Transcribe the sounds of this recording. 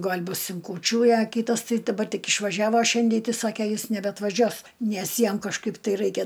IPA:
ˈɡɐlʲ ˈbʊs ɪn kuːˈt͡ʃʲuː ɪ ɐ ˈkʲiːtɐs ˈtɐɪ dɐˈbɐr ˈtʲɪk ɪʃʋɐˈʒʲæːʋoː ˈʃʲɛnʲdʲɛɪ ˈtɐɪ ˈsɑːkʲɛ ˈjɪs nʲɛbʲɛɐtʋɐˈʒʲuɔs ˈnʲɛs ˈjɛm kɐʃˈkɐɪp tɐɪ ˈrɐɪkʲɛ

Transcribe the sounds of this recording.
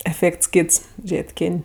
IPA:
ɛˈfʲeːkts ˈkʲiːts ˈʒʲeːtʲ ˈkʲɪnʲ

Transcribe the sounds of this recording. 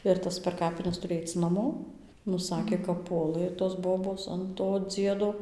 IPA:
ɪr ˈtɐs pʲɛr ˈkɑːpʲɪnʲɛs ˈtʊrʲɪ ˈɐɪt͡s nɐˈmoː nʊ ˈsɑːkʲeː kɐp ˈpuɔlˠɘ toːs ˈboːboːs ɐn toː ˈd͡zʲiɛdoː

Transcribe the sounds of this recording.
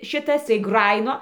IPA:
ˈʃʲɪtɐs tɐɪ ˈɡrɑːjɪnoː

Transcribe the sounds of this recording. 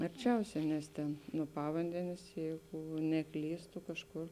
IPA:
ɐrʲˈt͡ʃʲɛʊsʲɛ nʲɛs ˈtʲeːn nuɔ ˈpɑːʋɐnʲdʲɛnʲeːs ˈjɛɪɡʊ nʲɛˈklʲiːstʊ kɐʃˈkʊr

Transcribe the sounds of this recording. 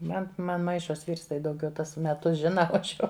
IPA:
ˈmɐn ˈmɐn ˈmɐɪʃoːs ˈʋʲiːrs tɐɪ dɐʊˈɡʲɛʊ ˈtuɔs mʲɛˈtʊs ˈʒʲɪnɐ oː ˈɐʃ jɛʊ

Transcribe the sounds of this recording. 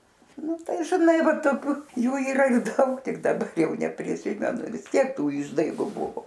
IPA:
ˈnʊ ˈtɐɪ ʒʲɪˈnɐɪ ˈʋɐt toːˈkʲuː ˈjuː iːˈrɐ ˈdɐʊk ˈtʲɪk dɐˈbɐr ˈjɛʊ nʲɛpʲrʲɪˈsʲɪmʲɛnʊ ʋʲɪsʲˈtʲiɛk ˈtuː ˈɪʒdɐɪɡʊ ˈbʊʋoː

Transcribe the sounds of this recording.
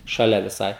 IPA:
ʃɐˈlʲɛ ʋʲɪˈsɐɪ

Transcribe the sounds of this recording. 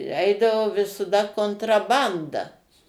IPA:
ˈɛɪdɐʋoː ʋʲɪsɐˈdɐ koːntrɐˈbɐndɐ

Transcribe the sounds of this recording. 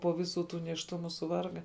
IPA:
poː ˈʋʲɪˌsuː ˈtuː nʲeːʃˈtʊmʊ sʊˈʋɐrɡɐ

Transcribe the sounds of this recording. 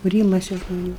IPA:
kʊˈrʲiːmɐɪsʲɪ ʒmoːˈnʲuː

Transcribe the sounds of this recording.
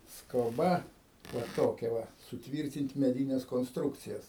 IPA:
skoːˈbɐ ʋɐ ˈtoːkʲɛ ˈʋɐ sʊˈtʲʋʲiːrʲtʲɪnʲtʲ mʲɛˈdʲiːnʲɛs koːnsˈtrʊkt͡sʲɪjɛs

